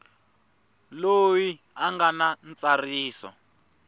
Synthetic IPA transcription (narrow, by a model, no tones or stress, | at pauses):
loji | aŋɡanant͡sariːsɔ̰